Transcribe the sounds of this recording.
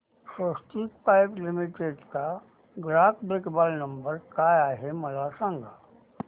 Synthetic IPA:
sost̪ikpaːɪplimiʈeːɖka | ɡɾaːkbekbaːlnə̃mbəɾkaːjaːɦemɐlasãŋɡʱa

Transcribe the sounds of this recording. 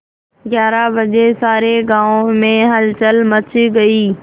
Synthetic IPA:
ɡjaːɾabɐd͡ʑesaːɾeɡãːõmẽɦɐlt͡ɕəlmɐt͡ɕʰiɡɐiː

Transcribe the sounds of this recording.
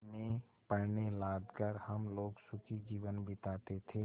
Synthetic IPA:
mẽ | pəɽnelaːd̪kəɾhəmloːɡsʊkʰid͡ʒiːʋənbɪt̪aːt̪et̪ʰeː

